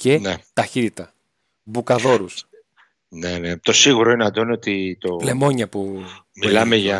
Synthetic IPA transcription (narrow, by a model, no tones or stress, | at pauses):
ce̞net̪ɐçit̪it̪ɐ | bukɐðo̞ɾus | nenet̪o̞siɣuɾo̞ineɐd̪onot̪it̪ole̞mo̞ɲɐpu | milɐmeʝɐ